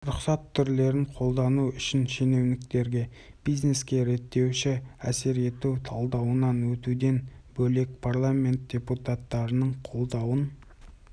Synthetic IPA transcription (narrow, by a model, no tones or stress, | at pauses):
ɾʊqsɑt̪ʰːʏɾle̞ɾɪɴqʰo̞lˠd̪ɑnuʏʃɪnʃe̞ne̞wnɪk̚t̪e̞ɾɡʲe̞ | b̥ijzne̞skʲe̞ɾe̞t̪ːe̞wʃɪæse̞ɾe̞t̪uwt̪ʰɑlˠd̪ɑwənɑnwɵt̪ud̪e̞nbɵle̞k̚pʰarlˠamʲe̞nt̪̚d̥ʲe̞put̪at̪ːɑɾənəɴqʰo̞lˠd̪ɑwən